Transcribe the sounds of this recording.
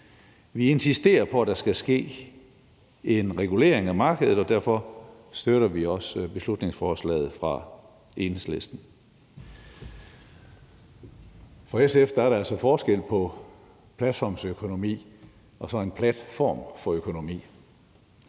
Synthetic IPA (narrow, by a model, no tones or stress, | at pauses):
ʋie̝nsisd̥e̝̰ːɐpʰɒ̽æd̥ɑ̈sɡ̥æsɡ̥e̝̰ː | e̝nʁɛɡ̥ule̝̰ːɐ̰eŋæmɑ̈ːɡ̥əðˠð̩ˠɒd̥æɐ̰fɒ̽ | sd̥øɾ̥ɐʋiɒ̽sb̥e̝slud̥ne̝ŋsfɒːslɛ̰ːð̩ˠfʁɑ̈ | ʔe̝nsle̝sd̥n̩ | fʁɑ̈esefd̥ɐæɐɾɑ̈æl̰sɒ̽fɒːsɡ̥el̰pʰɒ̽ | pʰlæd̥fɒ̰msøkʰo̝no̝mḭː | ɒ̽sɒ̽e̝npʰlæd̥fɒ̰ːmfɒ̽økʰo̝no̝mḭː